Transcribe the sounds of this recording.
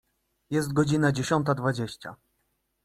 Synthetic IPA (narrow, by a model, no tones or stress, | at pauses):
jɛst̪̚ɡɔd͡ʑinad͡ʑeɕɔnt̪ad̪vad͡ʑeɕt͡ɕa̰